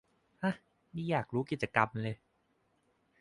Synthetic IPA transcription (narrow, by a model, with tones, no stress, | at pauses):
ʔa˧˩ | miː˧˥˩jaː˨˩k̚ɾuː˦˥ki˨˩t͡ɕa˧ka˧mlɤː˧j